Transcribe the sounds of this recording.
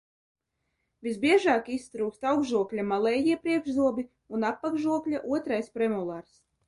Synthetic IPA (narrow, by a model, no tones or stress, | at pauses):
vʲisbʲiɛʒaːkist̪ɾuːkst̪awɡʒuɔklʲamalˠɛjiɛpɾiɛɡʒzuɔbʲi | unapːaɡʒuɔklʲaʔuɔt̪ɾajspɾɛmulˠaɾs